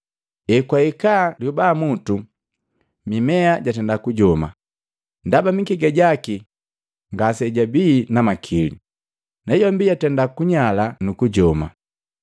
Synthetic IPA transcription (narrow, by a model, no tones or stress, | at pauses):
ɛkwaikaːljubaːmutu | mimɛaɟatɛndakuɟɔma̰ | ndabamikiɡɛɟaki | ŋɡasɛɟabiːnamakʰilḭ | nɛjɔmbijatɛndakuɲalanukuɟɔma̰